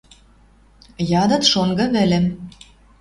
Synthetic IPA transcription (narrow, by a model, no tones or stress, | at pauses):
jɑd̪ɤ̆t̪ʃoŋɡɤ̆βĕlĕm